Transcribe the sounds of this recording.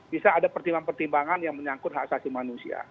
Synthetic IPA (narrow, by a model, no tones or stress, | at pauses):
bisaːdapərt̪imbaŋpərt̪imbaŋanjaŋməɲaŋkʊt̪̚haksasimanusia̰